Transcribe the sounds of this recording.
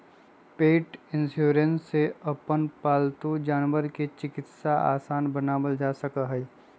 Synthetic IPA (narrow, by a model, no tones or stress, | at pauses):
peːʈɪ̃nsjuːɾẽnsːeɐpənpaːlt̪ud͡ʒaːnʋəɾket͡ʃɪkɪt̪saa̰ːsaːnbɐnaːwəld͡ʒaːsɐkaɦɛ